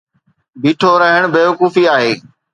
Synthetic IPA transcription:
biːʈʰoɾəɦəɽ̃beːʋʊkuːfiaːɦeː

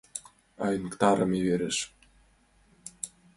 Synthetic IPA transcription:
ɑjnkt̪ɑɾɤ̰̆miβeɾeʃ

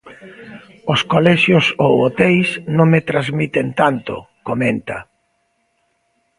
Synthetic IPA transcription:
oskolɛʃjosowot̪ɛjsnõŋmet̪ɾazmit̪ent̪ant̪ʊ̰ | komẽnt̪ɐ̰

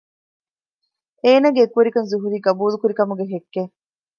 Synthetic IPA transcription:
eːnɐɡeːkuʋeɾikɐnzuɦuɾiːɡɐbuːlukuɾikɐmuɡeɦekːe

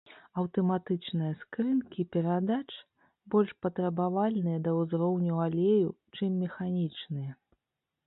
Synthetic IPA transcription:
ɐwt̪ɐmat̪ɨt͡ʂnɨjɐskɾɨnkʲipʲɛɾad̪at͡ʂ | bɔlʲʂpɐt̪ɾɐbavalʲnɨjɐd̪ɐwzɾɔwnʲualʲejut͡ʂɨmːʲɛxanʲit͡ʂnɨjɐ

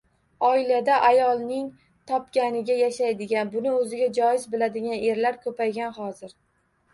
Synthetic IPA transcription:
ɒɪlad̪aʔajɒlˠnɪŋ | t̪ʰɒpkʲanɪɡʲajaʃajd̪ɪɡʲanbʊnɪɵzɪɡʲad͡ʒɒjɪzbɪlad̪ɪɡʲane̞ɾlaɾkʰɵpʰajɡʲanhɒzɪɾ

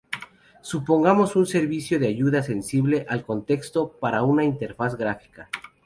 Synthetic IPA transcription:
supo̞ŋɡamo̞sunse̞ɾβisjo̞ðeaʝuðase̞nsiβle̞ʔalko̞nt̪e̞kst̪o̞paɾaunaint̪e̞ɾfasɡɾafi̥ka

